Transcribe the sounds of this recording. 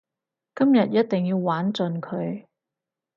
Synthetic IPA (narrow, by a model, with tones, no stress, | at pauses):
kɐ˥mjɐ˨t̚jɐ˥t̚t̪ɪ˨ŋjiː˧wːaː˨˥nt͡sɵ˧nkʰɵ˨˧ɥ